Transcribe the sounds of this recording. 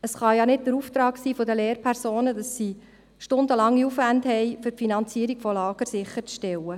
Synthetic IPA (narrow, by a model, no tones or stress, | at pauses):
əsχɑjɑnɪt̚dəɾuft̪ɾɑːksiːfodəleːɾpʰɛɾsoːnədɑsːiː | ʃtʊndəlɑŋːiufʋændhɛɪfɵɾfinɑnt͡siəɾiɡ̥fɔlɑːɡ̥əɾsɪχəɾt͡sʃtɛlə